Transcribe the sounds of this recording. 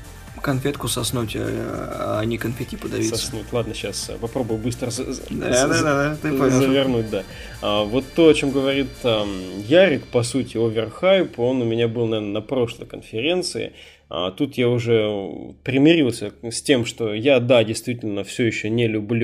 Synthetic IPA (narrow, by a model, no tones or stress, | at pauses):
kɐnfʲet̪kʊsɐsnutʲa̰ | nʲɪkɐnfʲetʲipəd̪ɐvʲisɐsnutʲlˠad̪̚nəɕːaspɐpɾo̞bʊjʊbɨst̪ɾəzd̪d̪ad̪ad̪at̪ɨɐzəvʲɪrnut̚ʲd̪a | avo̞t̪ːo̞ɐt͡ɕo̞mɡəvɐɾʲit̪əjaɾʲɪkpɐsutʲɪovʲɪrxajpo̞nʊmʲɪnʲabɨlˠnɐvʲernənɐpɾo̞ʂlˠə̰jkənfʲɪɾʲe̞nt̪sɨɪ̰ | a̰t̪ut̪jaʊʐɛpɾʲɪmʲɪɾʲilˠsʲəsʲtʲe̞mʂt̪o̞jad̪adʲɪjst̪vʲitʲɪlʲnəfsʲɵjɪɕːɵnʲɪlʲʉblʲu